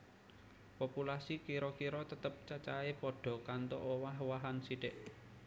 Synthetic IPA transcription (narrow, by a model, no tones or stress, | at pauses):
populasikiɾɔkiɾɔt̪ət̪əp̚t͡ʃat͡ʃaepɔɖ̥ɔ̤kant̪o̰ʔowaɦwaɦansiɖɪʔ